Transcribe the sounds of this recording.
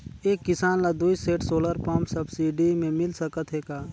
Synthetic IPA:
eːkːɪsaːnlad̪uːiseːʈsoːləɾpə̃msɐbsiːɖimẽmɪlsəkət̪ɦekaː

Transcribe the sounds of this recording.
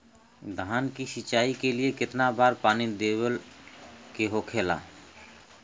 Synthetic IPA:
d̪ʱaːnkisit͡ʃaːikeliekɪt̪nabaːɾpaːnid̪ebəl | keɦokʰeːla̰

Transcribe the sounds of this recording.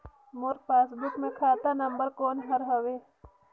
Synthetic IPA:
mʊɾpaːsbʊkmẽkʰaːt̪anɐ̃mbəɾkoːnɦɐɾɦɐʋeː

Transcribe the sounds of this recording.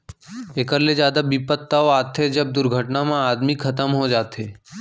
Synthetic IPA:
eːkəɾlezjaːd̪abipət̪ːaoaːt̪ʰed͡ʒɐb̚d̪ʊɾɡʱəʈnamãaːd̪mikʰɐt̪əmɦod͡ʒaːt̪ɦeː

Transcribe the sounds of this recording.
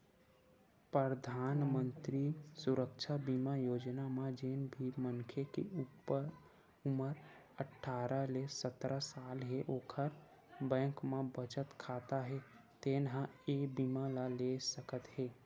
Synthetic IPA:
pɾəɾd̪ʱaːnmə̃nt̪ɾisʊɾəkʃʰabimajoːd͡ʒnamãd͡ʒenbʱimə̃nkʰekeupə | ʊməɾ | əʈʰːaːɾalesət̪ɾasaːlɦeʔoːkʰəɾ | bɛ̃ːŋkmẽbət͡ʃət̪kʰaːt̪aɦɛt̪eːnɦãebimalalesəkət̪ɦɛː

